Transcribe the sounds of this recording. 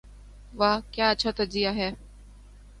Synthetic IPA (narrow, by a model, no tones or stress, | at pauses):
ʋaːkjaːətːʃʰaːt̪ɐɾzijaɦɛː